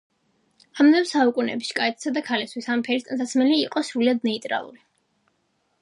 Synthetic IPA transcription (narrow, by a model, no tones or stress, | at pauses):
amd̪ɛmsaukʼunɛ̰biʃkʼaɛt̪ʰʼsad̪akʰalɛst̪wisampʰɛɾist̪ʼansasmɛliːqʼɔsɾuliad̪̚nɛit̪ʼɾa̰lˠṵli